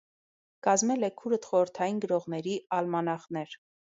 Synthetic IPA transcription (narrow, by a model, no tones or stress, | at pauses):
kɑzmɛlɛkʰuɾət̪χɔɾəɾt̪ʰɑjinɡəɾɔʁnɛɾiɑlmɑnɑχnɛɾ